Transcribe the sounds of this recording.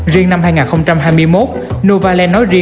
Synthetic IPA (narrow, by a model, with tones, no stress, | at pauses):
zi˧əŋna˧mhaː˧jŋaː˨˩nxə˧wŋ͡mt͡ɕa˧mɦaː˧jmɨ˧əjmo˦˥t̚ | nu˧vaː˧lɛ˧nːɔ˨˦jzi˧